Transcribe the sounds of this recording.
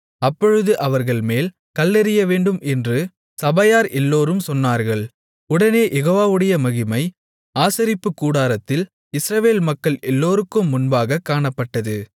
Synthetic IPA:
ɐpːɔɻɯðɯʔɐʋɐɾɣɐɭmeːl | kɐlːɛɾɪjɐʋeːɳɖɯmʔɛndrɯ | sɐbɐjaːɾʔɛlːoːɾɯmsɔnːaːɾɣɐɭ | ʊɽɐneːjʔɛɣoːʋaːʋɯɽɐjɐmɐɣɪmɐɪ | aːsɐɾɪpːɯkːuːɽaːɾɐt̪ːɪl | ɪsɾɐʋeːlmɐkːɐɭɛlːoːɾɯkːɯmːʊnbaːɣɐkːaːɳɐpːɐʈːɐðɯ

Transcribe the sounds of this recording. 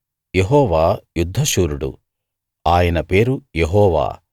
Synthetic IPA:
jeɦɔːʋaːjud̪ʱːɐʃuːɾuɽṵ | aːjɐnɐpe̞ːɾujeɦɔːʋa̰ː

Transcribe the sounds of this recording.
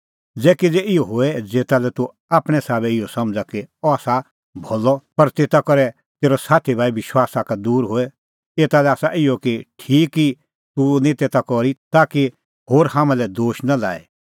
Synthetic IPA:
d͡zɛːkid͡zeɪɔɦoɛd͡zeːt̪alɛt̪u | aːpɽ̃ɛsaːbɛɪɔsɐmd͡zakiɔaːsa | bʱɔːlɔpɐɾt̪eːt̪akɔɾɛ | t̪eːɾɔsaːt̪ʰibʱaːiʋɪʃwaːsakad̪uːɾɦoɛ | eːt̪alɛaːsaʔɪɔkiʈʰiːkːi | t̪unĩt̪eːt̪akɔɾit̪aːki | hoːɾhãːmãlɛd̪oːʃnala̰ːḭ

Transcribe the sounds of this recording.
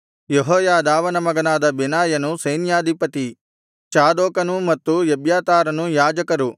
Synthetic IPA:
jeɦɔːjaːd̪aːʋɐnɐmɐɡɐnaːd̪ɐbenaːjɐnusɐjnjaːd̪ʱipɐt̪i | t͡ʃaːd̪oːkɐnumɐt̪ːujebjaːt̪aːɾɐnujaːd͡ʒɐkɐɾu

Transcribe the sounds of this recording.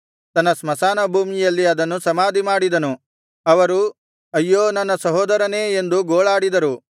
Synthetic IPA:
t̪ɐnːɐsmɐsaːnɐbʱuːmijɐlːiɐd̪ɐnːusɐmaːd̪imaːɽid̪ɐnu | ɐʋɐɾu | ɐjːoːnɐnɐsɐɦoːd̪ɐɾɐne̞ːend̪uɡoːɭaːɽid̪ɐɾu

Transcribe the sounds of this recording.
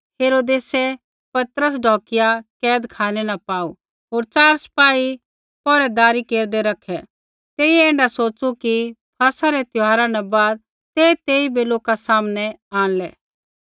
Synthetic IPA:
heːɾoːd̪eːsɛ | pɐt̪ɾəs̬ɖʱɔːkɪjakɛːd̪kʰaːnɛnɐpaːu | ɦoːɾt͡ʃaːɾsɐ̥paːi | pɔːɾɛd̪aːɾikeːɾd̪eɾɐkʰɛ | t̪eːiɛẽːɳɖasoːt͡ʃukipʰɐsaɾɛt̪jʊɦaːɾanɛbaːd̪̚ | t̪eːt̪eːibeloːkasaːmnɛaːnlɛː

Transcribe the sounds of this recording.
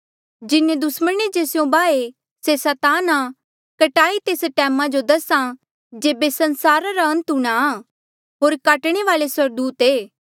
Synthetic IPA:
d͡ʒɪnẽd̪ʊsməned͡ʒeːsjõbaːe | sesɛːt̪aːna | kɐʈaːit̪eːsʈɛːmãd͡ʒod̪ɐsã | d͡ʒeːbesɐnsaːɾaɾaɐ̃nt̪uɽ̃aː | ɦoːɾkaːʈɽ̃eʋaːleswɐɾd̪uːt̪eː

